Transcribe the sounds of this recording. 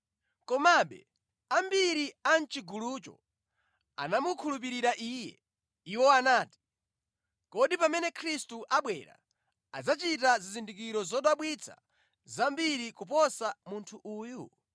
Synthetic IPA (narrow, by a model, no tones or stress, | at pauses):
kɔmaɓɛ̰ | ambiɾian̩t͡ʃiɡulut͡ʃɔ̰ | a̰namukʰulup̬iɾiɾaʔiːjɛ̰ | iwɔanaːti̥ | kɔɗipamɛnɛkʰɾistuʔaɓwɛɾa̰ | ad͡zat͡ʃitazizindikiɾɔzɔɗaɓwit͡sʰa̰ | zambiɾikupɔsamuntʰuʔuːju